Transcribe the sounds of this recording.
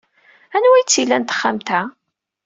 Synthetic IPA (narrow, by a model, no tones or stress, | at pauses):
ænwæjt͡sːilːænt̪ə̥χːamt̪æ